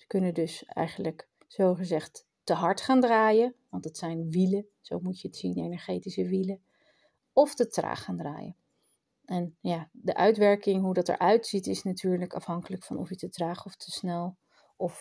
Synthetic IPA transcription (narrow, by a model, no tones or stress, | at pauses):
sə̥kɵnədɵsɛ̰jχənlək | z̥owχəzɛχtː | əɦɑɹtχaːndraːjəʋɑntətsɛjnʋilə | z̥o̰wmucəətsindəejnɛɹχejtisəʋilə | ɔftətra̰ːχχaːndra̰ːjə̰ | ʔɛnjaːdəʔœɥtʋɛɹkɪŋɦudɑtɛ̰ɹʔœɥtsitɪsnatyːɹləkɑ̰fɦɑŋkələkfɑ̰nɔ̰fjətətraːχɔftʰəsnɛlˠ | ɔf